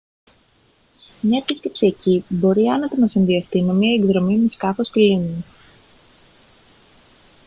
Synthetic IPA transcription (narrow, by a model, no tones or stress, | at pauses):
mɲɐet̪isc̪ipsiɐcibo̞ɾiɐnɐt̪enɐsinðiɐst̪inemiɐeɡðɾo̞mimeskɐfosclinu